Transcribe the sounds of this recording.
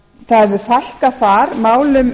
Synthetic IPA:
θaɛvʏθajhkaθaɾmaːwlʏm

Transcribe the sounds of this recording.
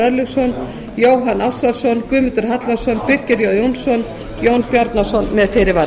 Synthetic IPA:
ɛɾlʏɣsɔn | joːwɦanawsasɔnkʏːmɪnt̪ʏɾ̥ɦat̪lḁsɔnpɪr̥cɛɾjowjownsɔn | jownpjaɾt̪nasɔnmɛðfɪːɾɪva

